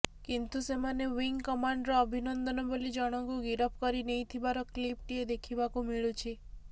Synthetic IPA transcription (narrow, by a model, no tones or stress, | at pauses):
kint̪usemanewiŋkɔmaɳɖɾɔːbʱinɔnd̪ɔnɔbolid͡ʒɔɽ̃ɔŋkuɡiɾɔpkɔɾinejt̪ʰibaɾɔklip̚ʈied̪ekʰibakumiɭut͡ʃʰi